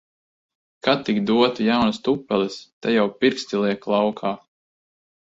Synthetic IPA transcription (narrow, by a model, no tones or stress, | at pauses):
kat̪ikd̪uɔt̪ujawnast̪upːɛlist̪ajawpiɾkst̪ilˠiɛklˠawkʰaː